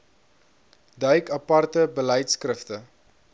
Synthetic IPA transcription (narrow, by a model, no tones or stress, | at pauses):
dœɥkɐpɐrtəbəlɛjtskrəftə